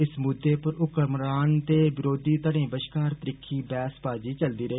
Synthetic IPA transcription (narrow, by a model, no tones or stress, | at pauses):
ɪsmʊd̪ːeːpəɾʊkəɾmɾaːnt̪eːbɪɾoːd̪iːt̪əɽ̃ẽːbəʃkaːɾt̪əɾɪkʰːiːbɛːspaːd͡ʒiːt͡ʃəld̪iːɾəɦeː